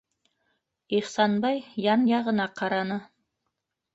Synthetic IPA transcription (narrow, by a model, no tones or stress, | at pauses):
iχsɑnbɑjjɑnjɑʁɤ̆nɑqʰɑɾɑnɤ